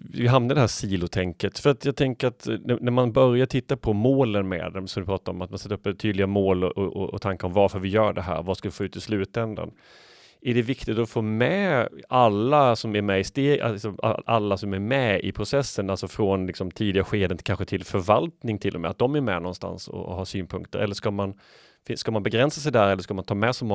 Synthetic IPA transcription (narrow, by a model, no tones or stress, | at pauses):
vɪɦamnaɖ̪ɛɦæːʂiːlʊt̪ʰɛŋkət̪fœɾat̪jɑːɡ̚t̪ʰɛŋkəɾat̪nnæɾmanbœɾjaʈʰɪt̪ːapʰɔmoːlənmɛ̰ːd̪ɛmsɔmd̪ɵpʰɾɑːt̪aɾɔmat̪mansɛt̪ːɾɵpːət̪ʰyːd̪lɪɡamoːlɔ̰ɔɔ̰ɔ̰t̪ʰaŋkaɾɔmvaɾfœɾvɪjœːɖɛɦæ̰ːɾvaskalvɪfoːʉ̟ːt̪ɪslʉ̟ːt̪ɛnd̪a̰n | æɖɛvɪkt̪ɪt̪ɔfoːmɛalːasɔmæɾmɛɪst̪ḛːɪsɔma̰a̰lːasɔmæɾmɛɪ̰pʰɾʊsɛsːənalsɔfɾɔnlɪksɔmt̪ʰiːd̪ɪɡaɧeːd̪ənkʰanɧət̪ʰɪlfœɾvalt̪nɪŋt̪ʰɪlːɔmɛ̰at̪̚d̪ɔmæɾmɛ̰nɔnst̪a̰nsɔ̰ɦɑːsyːnpʰɵŋkt̪əɾʔɛlːəʂkaman | fɪskamanbɛɡɾɛnsasɛjd̪æːɾɛlːəʂkamant̪ʰɑːmɛsɛmɔ